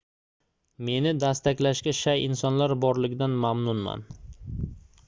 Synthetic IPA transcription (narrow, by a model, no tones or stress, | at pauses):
me̞nɪd̪ast̪akʲlaʃkʲaʃajʔɪnsɒnlaɾbɒɾlɪɡʲd̪anmamnʊnma̰n